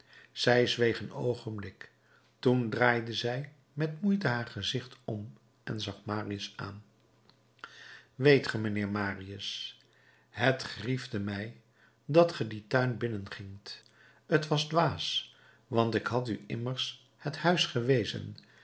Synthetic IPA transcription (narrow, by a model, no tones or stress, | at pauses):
z̥ɛjzʋejχəno̰wχənblɪk | tundraːjdəzɛj | mɛtmujtəɦaːɹχəzɪχtɔm | ɛ̰nzɑχmaːriəsa̰ːn | ʋejtχəmənɪːɹmaːriəs | ɦətχrivdəmɛj | dɑtχəditœɥnbɪnənχɪŋt | ətʋɑzdʋaːs | ʋɑntɪkɦɑtyʔɪməɹs | həthœɥsχəʋejzə̰n